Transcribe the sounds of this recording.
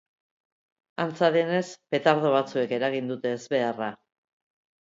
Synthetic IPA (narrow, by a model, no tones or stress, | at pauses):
ant͡saðe̞ne̞spe̞t̪aɾð̞o̞β̞at͡sue̞ke̞ɾaɣ̞ind̪ut̪e̞ːzβe̞ara